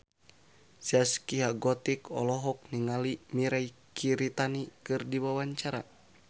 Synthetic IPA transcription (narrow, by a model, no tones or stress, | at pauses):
siaskiɦaɡɔt̪ikɔ̰lɔɦɔk̚niŋalimiɾaikʰiɾit̪anikɨrdiwawaɲt͡ʃaɾa̰